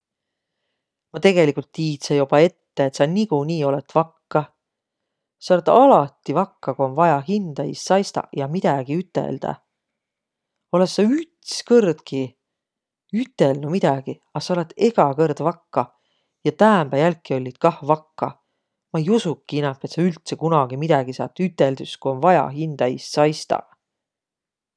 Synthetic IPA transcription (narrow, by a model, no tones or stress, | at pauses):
mɑt̪e̞ɡ̥e̞likult̪ːiːt̪sejubɑe̞t̪ːe̞et̪sɑniɡ̥unʲiːo̞le̞t̪vɑkːɑ | sɑo̞let̪ɑlɑt̪ːˑivɑkːɑkuo̞nvɑjɑɦind̪̥ɑḭsːɑjst̪ɑ̰jɑmid̪̥ɑɡ̥iyt̪ːˑḛld̪̥ɑ̰ | o̞le̞sːɑyt̪skɤrd̪̥ki | yt̪ːˑe̞lnumid̪̥ɑɡ̥i | ɑsɑole̞t̪ːe̞ɡ̥ɑkɤrd̪̥vɑkːɑ | jɑt̪æːmb̥æjælkˑːio̞lʲːid̪̥kɑhvɑkːɑ | mɑejusukːiinɑpːˑe̞t̪sɑylt̪sekunɑɡimid̪̥ɑɡ̥isɑ̰ːt̪ːˑyt̪ːˑe̞ld̪yskuo̞nvɑjɑ̰ɦind̪̥ɑḭssɑjst̪ɑ̰